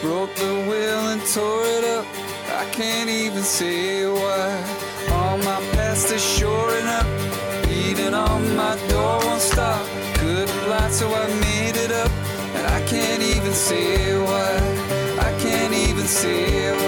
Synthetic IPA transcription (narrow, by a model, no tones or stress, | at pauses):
b̥ɹoʊk̚ðəwɪlˠə̃ntʰɔɹɪɾʌp̚ | a̰ɪkʰæ̃ntivɨ̃nsewaɪ | ɔmaɪpʰæstɨʃɔɹɪnʌp̚ | b̥iɾɪ̃ŋə̃nmaɪdɔɹstɑf | ɡ̥ʊd̚blætsoʊaɪmeɪɾɪɾʌp | ɨ̰̃na̰ɪkʰæ̃ntivɨ̃nsewaɪ | ʔa̰ɪkʰæ̃ntivɨ̃nsi